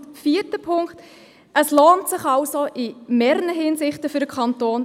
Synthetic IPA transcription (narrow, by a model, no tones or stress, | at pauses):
fiːətəpʰʊŋkt | əsloːntsɪχɑlsoʔimeːɾənəɦiːnsɪχtəfʏɾəkʰɑntoːn